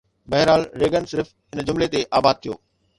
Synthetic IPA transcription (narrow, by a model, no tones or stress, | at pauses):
bɐɦɪɾaːlɾeːɡənsɪɾf | ɪnd͡ʑʊmlet̪eʔaːbaːd̪̚t̪ʰijo̰ː